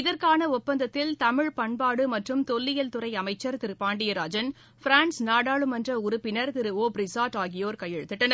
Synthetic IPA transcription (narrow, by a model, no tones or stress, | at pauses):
ɪðɐɾkaːnɐʊpːɐnd̪ɐt̪ːɪlt̪ɐmɪɻpɐɳbaːɽɯmɐʈrɯmt̪ɔlːɪjɐlt̪ʊrɐɪɐmɐɪt͡ʃːɐɾt̪ɪɾɯpaːɳɖɪjɐɾaːd͡ʒɐn | fɾaːnsnaːɽaːɭɯmɐndrɐʊɾʊpːɪnɐɾt̪ɪɾɯoːbɾɪsaːʈaːɣɪjoːɾkɐjːɛɻɯt̪ːɯʈːɐn